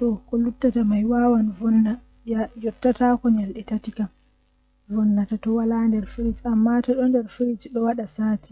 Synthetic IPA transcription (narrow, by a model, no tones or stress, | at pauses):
tɔkɔlutːatamajwawanvɔnːa | jɔtːatakɔɲalɗɛtatikam | vɔnːatatɔwalandɛɾfiɾid͡ʒamːatɔɗɔndɛɾfiɾid͡ʒɗɔwaɗasaːti